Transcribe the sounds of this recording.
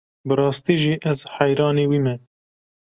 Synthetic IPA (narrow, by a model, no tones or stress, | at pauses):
bɨɾɑːst̪iːʒiːʔɛzħɛjɾɑːneːwiːmɛ